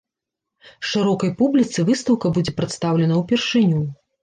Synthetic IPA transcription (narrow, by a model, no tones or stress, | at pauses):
ʂɨɾɔkɐjpublʲit̪sɨvɨst̪ɐwkɐbud͡zʲɛpɾɐt̪st̪awlʲɛnɐwpʲɛrʂɨnʲu